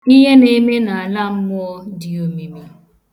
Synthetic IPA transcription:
i˦ɦe˦ne˦me˦na˨a˨la˦m̩˦mʊ˦di˨o˦mi˦mi˦

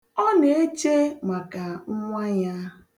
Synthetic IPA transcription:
ɔ˦ne˨e˦t͡ʃe˦ma˨ka˨ŋ̩˦ŋʷa˦ɲa˦

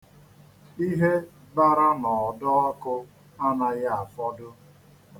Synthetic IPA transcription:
i˦ɦe˦ | ba˦ɾa˦nɔ˨ɔ˨dɔ˦ɔ˦kʊ˦ | a˦na˦ja˦a˨fɔ˦dʊ˦

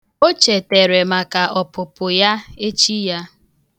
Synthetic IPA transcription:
o˦t͡ʃe˨te˨ɾe˨ma˨ka˨ʔɔ˨pʊ˨pʊ˨ja˦e˦t͡ʃi˦ja˦

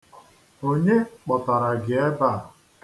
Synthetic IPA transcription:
o˦ɲe˦k͡pɔ˨ta˨ɾa˨ɡɪ˨e˦ba˦˨

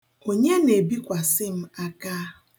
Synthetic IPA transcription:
o˦ɲe˦ne˨bi˦kʷa˨sɪ˦m̩˦a˦ka˦˨

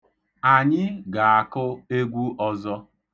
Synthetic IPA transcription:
a˨ɲɪ˦ɡa˨a˨kʊ˦e˦ɡʷu˦ʔɔ˦zɔ˦

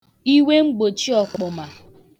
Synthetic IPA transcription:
i˦we˦ŋ͡m̩˦ɡ͡bo˨t͡ʃi˦ɔ˨kʊ˨ma˨

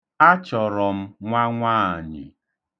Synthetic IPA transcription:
a˦t͡ʃɔ˨ɾɔ˨m̩˦ŋʷa˦ŋʷaː˦˨ɲɪ̰˨

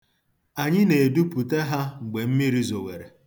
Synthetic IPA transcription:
a˨ɲɪ˦ne˨du˦pu˨te˦ɦa˦ŋ͡m̩˨ɡ͡be˨m̩˦mi˦ɾi˦zo˨wḛ˨ɾe˨

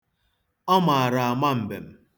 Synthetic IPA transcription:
ɔ˦ma˨a˨ɾa˨a˨ma˦m̩˨be˨m̩˨

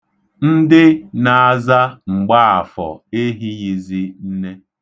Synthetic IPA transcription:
n̩˦dɪ˦na˨a˨za˦ŋ͡m̩˨ɡ͡ba˦a˨fɔ̰˨e˦ɦi˦ɣi˨zi˦n̩˦ne˦

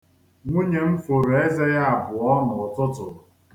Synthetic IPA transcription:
ŋʷu˦ɲe˨m̩˦fo˨ɾe˦ze˦ja˦a˨bʊ˨ɔ˦nʊ˨ɔ˨tʊ˦tʊ̰˨

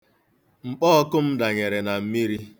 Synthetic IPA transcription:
ŋ͡m̩˨k͡pɔː˦ɔ˦kʊ˦m̩˦da˨ɲe˨ɾe˨na˨m̩˦mi˦ɾi˦

